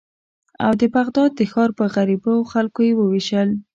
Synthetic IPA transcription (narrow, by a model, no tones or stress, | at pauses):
a̰wd̪əpaɣd̪ɑd̪̚ːəxɑɾpəɣaɾiboxalkojewəwiʃəl